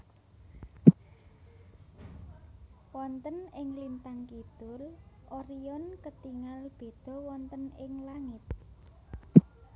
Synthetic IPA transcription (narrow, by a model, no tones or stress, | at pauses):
wɔnt̪ənɪŋlint̪aŋkit̪ʊlʔoɾiɔnkət̪iŋalb̥e̤d̪̥ɔ̤wɔnt̪ənɪŋlaŋɪt̪̚